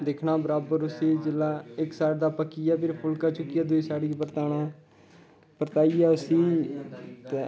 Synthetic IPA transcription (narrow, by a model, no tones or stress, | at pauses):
d̪ekʰnaːbəɾaːbəɾʊseːd͡ʒɪlaːɪksaːʈd̪aːpəkːiːjaːpʰɪɾpʰʊlkaːt͡ʃʊkːijaːd̪ʊiːsaːɽiːpəɾt̪aːɽ̃aː | pəɾt̪aːiːaːʊsiː | t̪e